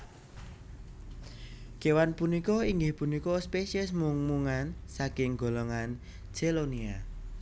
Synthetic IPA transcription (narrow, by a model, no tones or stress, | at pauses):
kewanpunikɔiŋɡɪhpunikɔspeʃiɛsmuŋmuŋansakɪŋɡo̤lɔŋan̥ | d͡ʒ̥elonia